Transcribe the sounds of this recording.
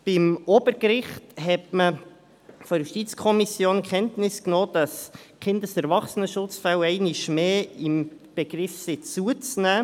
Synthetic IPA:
b̥ɪmob̥əɾkɾɪχtɦɛtmə | foɾjuʃtit͡skʰɔmisjoːnkʰχɛntnɪsknoːd̥ɑskχɪndəsɛɾvɑχsənəʃʊt͡sfɛlɛɪniʃmeːɪm | b̥eɡ̥ɾɪfsɪt͡suət͡snæː

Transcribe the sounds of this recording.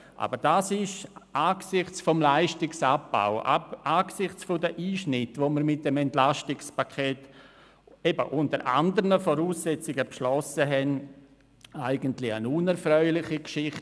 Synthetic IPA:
ʔa̰b̥əɾd̥aːsɪʃaːksɪχt͡sfɔmlaɪʃtɪksap̚ba̰ʊa̰ʔaːksɪχt͡sfodəʔiːʃnɪtʋoməɾmɪt̚d̥emɛntlaʃtɪkspakʰɛːt | ebəʔʊntəɾʔa̰ndəɾənəfɔɾuːsːɛt͡sɪɡəpʃlɔsəɦɛn | aɪɡəntlɪənunɛɾfɾœʏlɪχikʃɪχt

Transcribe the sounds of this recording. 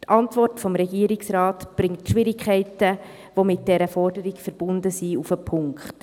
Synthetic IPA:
tʰɑntʋɔrtfɔmɾɛɡiəɾɪksɾɑːtb̥ɾɪŋtʃʋɪɾɪkʰχɛɪtə | ʋomɪt̚d̥ɛɾəfɔrdəɾikfəɾb̥ʊndəsiufəpʰʊŋkχt

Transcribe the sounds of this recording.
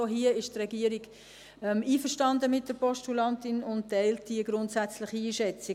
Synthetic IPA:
oɦiəɪʃtʁɛɡiːəɾiɡ | ɛmiːfəʃtɑndəmɪt̚d̥əɾpɔʃtulɑntɪnʊnttɛɪlt̚d̥iəɡɾʊntsæt͡slɪχiiːʃɛt͡sɪ

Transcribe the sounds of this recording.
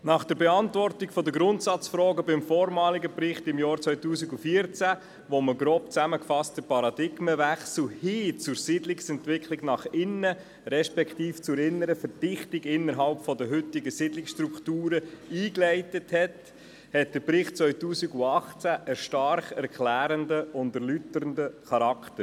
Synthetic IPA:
nɑχd̥əɾbɛɑntvɔrtikfɔd̪əɡɾʊntsɑt͡sfɾɔːɡəbɪmfɔːɾmɑːliɡəpɾɪχtɪmjɑːɾt͡sʋœʏtuːsiɡufiːəɾt͡sæ | ʋoməɡɾoːpt͡sæməkfɑstəpɑɾɑdɪɡməʋæχsl̩hɪːt͡sʊɾsɪdlɪksɛntʋɪkʰlɪɡnɑχɪnːə | ɾɛʃpɛkt̪iːft͡sʊɾɪnːəɾəfəɾd̥ɪχtɪɡɪnːəɾɦɑlpfɔdəɦʏtɪɡəsɪdlɪksʃtɾuktuːɾəiːklɛɪtəthɛt | hɛt̚d̥əɾpɾɪχt̚t͡sʋœʏtuːsiɡuɑχt͡sæʔəʃtɑɾχɛɾkʰlæːɾəndəʊndəɾlytəɾəndəχɑɾɑktəɾ

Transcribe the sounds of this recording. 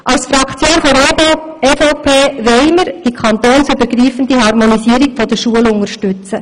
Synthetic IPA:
ʔɑwsfɾɑkʰt͡sjoːnfɔɾobo | ɛfoʊpʰeːʋɛɪməɾd̥ikʰɑnt̪oːnsybəɾɡɾiːfən̩d̥̪iɦɑrmonisiːəɾikfɔd̥̪əʃuəlʊŋəɾʃtʉt͡sə

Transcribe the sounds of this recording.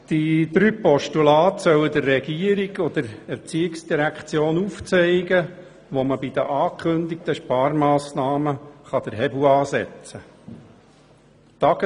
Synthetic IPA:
d̥id̪ɾyːpɔʃtulɑːt̪sœwəd̪ərːɛɡ̥iəɾiɡɔd̥̪əɾɛɾt͡siːɪksd̥iɾækt͡sjoːnuft͡sɛɪɡə | ʋoməbid̥̪əʔɑːkχɵnd̪ɪk̚t̪əʃpɑːrmɑːsnɑːməχɑd̥̪əɾɦɛbuɑːsɛ̰t͡sə | t̪ɑɡ̥ə

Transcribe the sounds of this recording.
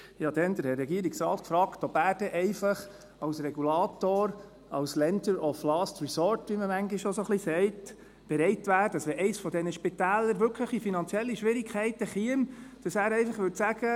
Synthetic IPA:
jɑːd̪ɛnd̪əɾhɛːɛɡiəɾiksɾɑːt̪kfɾɑːktɔbæːɾd̥ɛʔɛɪfɑχ | ɑwsɾɛɡulɑːt̪oːɾ | ɑwslɛnd̪əɾɔflɑstɹisɔːɾtʋiməmæŋɡiʃʃosoχlisɛɪt | b̥ɛɾɛɪtʋæːdədəsʋɛʔɛɪsfɔd̪ɛnəʃpitæːləɾʋʏɾkʰləχifinɑnt͡siɛlːiʃʋɪɾikʰχɛɪtəχiəmd̥ɑsæːɾɛɪfɑχʋʏtsæɡ̥ə

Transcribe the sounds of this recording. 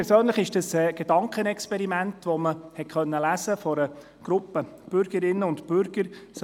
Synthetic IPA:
ɛsøːnləχɪʃd̥əsɛːɡ̥edɑŋkχənɛkspɛɾimæntʋɔməhɛtχœnːəlæsəfɔɾə | ɡ̥ɾʊpːəb̥ʏɾɡ̥əɾɪnːəʊntb̥ʏɾɡ̥əɾs

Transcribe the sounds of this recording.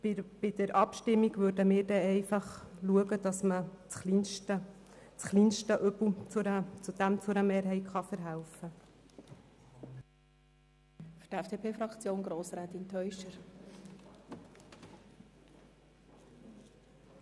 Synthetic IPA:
b̥ɪd̥əɾʔɑpʃtɪmːiɡʋøɾdəmɪːɾdɛɛɪfɑχluəɡəd̥ɑsmət͡sχlintə | t͡sχliːnʃtəʔœbl̩t͡sət͡sud̪̥æmt͡sʊɾəmɛːɾɦɛɪtχɑfəɾɦælfə | fyɾd̥ɛfd̥eːpʰeːfɾɑkt͡sjoːnɡɾoːsɾɛːt̪intʰœʏʃəɾ

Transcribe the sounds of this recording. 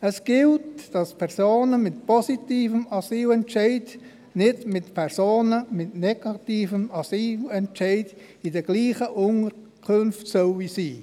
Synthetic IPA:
əsɡ̥ɪltd̥ɑspʰɛʁsoːnəmɪtpɔsitiːfəmɑsiːlɛntʃɛɪd | nɪdmɪtpʰɛɾsoːnəmɪtnɛɡ̥ɑtiːfəmɑsiːlɛntʃɛɪd | ɪdəɡ̥liːχəʔʊŋəɾ | kʰʊnftsœlisiː

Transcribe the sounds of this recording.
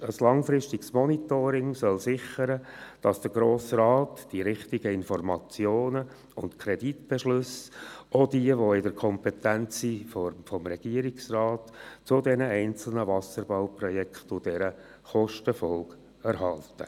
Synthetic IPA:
əslɑŋfɾɪʃtɪɡsmɔnit̪oːɾɪŋsœlsɪχəɾəd̥ɑsd̥əɡɾoːsɾɑːtd̥iɾɪχtɪɡəɪnfɔrmɑt͡sjoːnə | ʊntkʰɾɛditb̥ɛʃlʏsʔɔdiəʋoɪdəɾkʰɔmpɛt̪ænt͡siffɔmɾɛɡ̥iəɾɪksrɑːtt͡sʊdɛnəɛɪnt͡sl̩nəvɑsəɾb̥aʊprɔjɛkʰtʊd̥ɛɾə | χɔʃtəfɔlɡ | æɾɦɑltə̰

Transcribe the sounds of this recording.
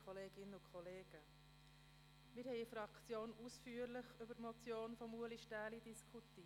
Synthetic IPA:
kʰɔleːɡ̥ɪnəʊkʰɔleːɡ̥ə | mɪːɾhɛɪifɾɑkt͡sjoːnusfyːəɾlɪχʏbətmɔt͡sjoːnfɔmuəliʃtæːlidiskʰuti

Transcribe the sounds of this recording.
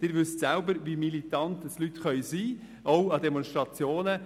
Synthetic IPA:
d̥ɪːɾʋʏstsæʊbəɾʋimilitɑntəslytχœʏsiː | oʊɑdɛmɔnʃtʁɑt͡sjoːnə

